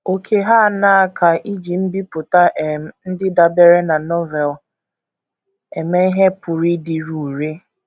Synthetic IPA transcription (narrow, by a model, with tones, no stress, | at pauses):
o˨kʰe˦ɦa˦˨na˦˨kʰa˨ʔi˦d͡ʒi˨m̩˦bi˦pʊ˨ta˦ʔn̩˦dɪ˦da˨be˦ɾe˦na˨nɔ˦vɛ˨l | e˨me˦i˦ɦe˦pʊ˨ɾi˦dɪ˨ɾu˨ɾe˦